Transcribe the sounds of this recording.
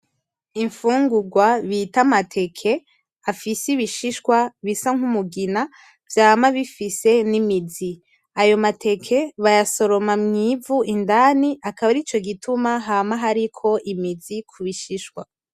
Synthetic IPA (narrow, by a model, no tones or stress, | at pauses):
iɱfuːŋɡuɡwaβitamatʰe̞kʰe̞ | afisiβiʃiʃkwaβisaŋ̥humuɡina | vjaːmaβifise̞nimizi | ajo̞matʰe̞kʰe̞βajaso̞ɾo̞mamɲivuʔindaniʔakaβaɾit͡ʃo̞ɡitʰumaɦamaɦaɾikʰo̞ʔimizikʰuβiʃiʃkwa